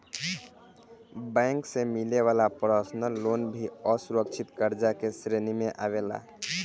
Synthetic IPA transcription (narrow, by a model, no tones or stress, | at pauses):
bɛ̃ŋksemileʋalapɾəsnəlonbʱiəsuɾəkt͡ʃʰit̪kəɾd͡ʒakesɾenimeʔaβela̰